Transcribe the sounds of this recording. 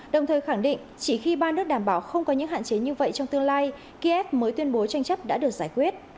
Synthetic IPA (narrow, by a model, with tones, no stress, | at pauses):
ɗə˨˩wŋ͡mt̪ʰəː˨˩jxa˧˩ŋɗḭ˧˨ŋ̟t͡ɕi˧˩xi˧ɓaː˧nɨ˦˥ək̚ɗaː˧˩mɓaː˧˩wxə˧wŋ͡mkɔ˨˦ɲɨ̰˧˥ŋɦa̰ː˧˨t͡ɕe˨˦ɲɨ˧və̰˧˨jt͡ɕɔ˧wŋ͡mt̪ɨ˧əŋlaː˧j | ki˧ʔɛ˦˥p̚məː˨˦jt̪wi˧ənɓo˨˦t͡ɕa˧jŋ̟t͡ɕə˦˥p̚ɗa̰ː˧˥ɗɨ˨˩ək̚z̥aː˧˩jkwi˦˥ət̚